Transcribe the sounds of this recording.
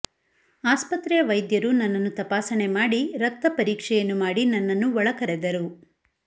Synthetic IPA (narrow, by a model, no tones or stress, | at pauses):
aːspɐt̪ɾɛjɐʋɐjd̪jɐɾunɐnːɐnːut̪ɐpaːsɐne̞maːɽiɾɐk̚t̪ɐpɐɾiːkʂɛjɐnːumaːɽinɐnːɐnːuʋɔɭɐkɐɾed̪ɐɾu